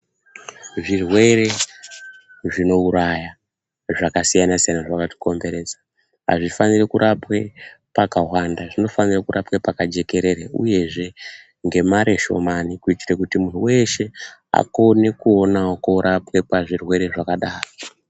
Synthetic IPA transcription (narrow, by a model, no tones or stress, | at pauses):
ʐirwe̞ɾe̞ | ʐino̞uɾaja | ʐakasijanasijanaʐakato̥ko̞mbe̞ɾe̞d͡zḁ | ɦa̰ʐifanirekuɾʔapwe̞pakawandaʐino̞fanirakurʔapwepakad͡ʒe̞ke̞ɾe̞ɾeṵje̞ʐe̞ | ŋɡe̞maɾe̞ʃo̞̰manikuitirekutimun̤uwe̞ʃe̞a̰ko̞ne̞kuo̞naokoɾʔapwe̞paʐirwe̞ɾe̞ʐakaɗaːro